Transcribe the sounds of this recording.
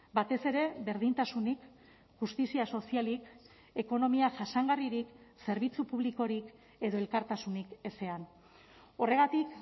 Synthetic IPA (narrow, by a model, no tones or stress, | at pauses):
bat̪e̞se̞ɾe̞βe̞ɾðint̪asunik | ʝust̪isiaso̞sialik | e̞ko̞no̞miaʝasaŋɡariɾikse̞ɾβit͡supuβliko̞ɾik | e̞ðo̞e̞lkaɾt̪asunike̞se̞an | o̞re̞ɣ̞at̪ik